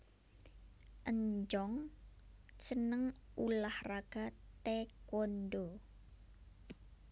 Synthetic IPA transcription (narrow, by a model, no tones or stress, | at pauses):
ʔəɲd͡ʒɔŋ | sənəŋulahraɡ̥a̤t̪ekonɖo